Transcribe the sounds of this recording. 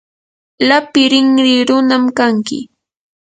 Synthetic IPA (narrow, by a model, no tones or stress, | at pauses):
lapɪɾɪŋɾɪɾʊnamkaŋkɪ̰